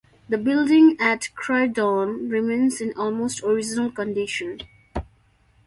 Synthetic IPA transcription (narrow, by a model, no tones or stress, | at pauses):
d̪əbɪldɪ̃ŋætkʰɹaɪdɔ̃nɹɪmẽːnsɪ̃nɔlmoːstʰɔɹɪd͡ʒənəlkə̃nɖɪʃə̃n